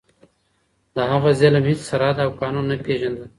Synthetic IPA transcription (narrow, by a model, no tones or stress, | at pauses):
d̪əɦaɣazɪlamhit͡ssaɾɑd̪awkɑnunːapeʒand̪ə